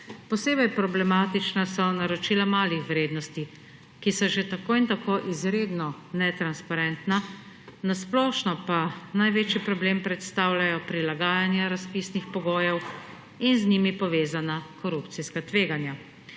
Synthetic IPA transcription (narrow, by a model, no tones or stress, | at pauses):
pɔseːbɛjpɾɔblɛmaːt̪it͡ʃnasɔnaɾɔt͡ʃiːlamaːlixʋɾeːd̪nɔst̪i | kisɔʒet̪akoːint̪akoːʔizɾeːd̪nɔnɛt̪ɾanspaɾɛnt̪na | nasplɔːʃnɔpanajʋeːt͡ʃjipɾɔbleːmpɾɛt̪st̪aːwlajɔpɾilaɡaːjanjaɾaspiːsnixpɔɡoːjɛw | inznimipɔʋeːzanakɔɾupt̪siskat̪ʋeːɡanja